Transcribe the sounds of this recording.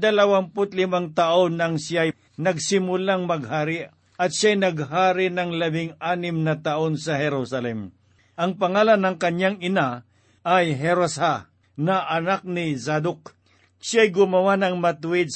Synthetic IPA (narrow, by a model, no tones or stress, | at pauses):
d̪ɐlɐwampʊt̪lɪmaŋt̪ɐʔonɐŋsjaj | nɐɡsɪmʊlaŋmɐɡ̚haːɾɪ | ʔɐt̪ʃajnɐɡ̚ɦaːɾɪnɐŋlɐbɪŋaːnɪmnɐt̪ɐʔo̞nsɐhɛɾusɐlɛm | ʔɐŋpɐŋaːlɐnːɐŋkɐɲjaŋɪna | ʔɐjɦɛɾosa | nɐʔɐnak̚nɪsad̪ʊk̚ | ʃajɡʊmɐwanɐŋmɐt̪ʊɪd̪̚